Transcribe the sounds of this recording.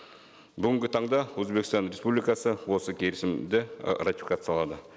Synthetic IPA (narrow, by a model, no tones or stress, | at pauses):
bʏɡʲɪŋɡʲɪt̪ʰɑɴd̪ɑwɵzbe̞kʲɪst̪ɑnɾe̞spublijkɑsəwo̞səkʲʰe̞ɾɪsɪmd̪ɪrat̪ifikat̪sjɑlˠɑd̪ə